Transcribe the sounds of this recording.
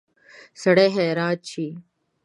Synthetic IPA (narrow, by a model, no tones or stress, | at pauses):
sɐɽeːɦeːɾaːt̪̚t͡ɕʰiː